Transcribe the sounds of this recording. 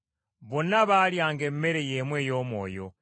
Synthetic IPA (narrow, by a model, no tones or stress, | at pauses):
βo̞naβaːljaːŋɡe̞mːe̞ɾe̞jemwe̞ːjo̞ːmwo̞̰ːjo̞̰